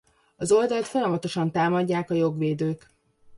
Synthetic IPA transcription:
ɒzo̞ld̪ɒlt̪fo̞jɒmɒt̪o̞ʃɒnt̪aːmɒɟːaːkɒjo̞ɡʋeːd̪øːk

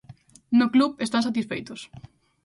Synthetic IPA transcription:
nʊkluβest̪ãs̬at̪isfejt̪ʊs

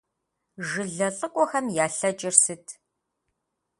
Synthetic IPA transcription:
ʒɨɮɐɬʼɨkʷʼɔxɐmjaːɬɐt͡ʃʼɪrsɨtʰ

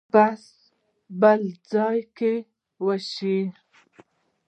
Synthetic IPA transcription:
bas | bəld͡zɑjke | wəʃi

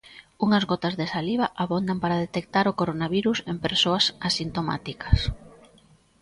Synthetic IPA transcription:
uŋɐzɣɔt̪ɐzðesaliβaʔaβond̪ampaɾaðet̪ek̚t̪aɾʊkoɾonaβiɾusempeɾsoasasint̪oma̰t̪ikɐs

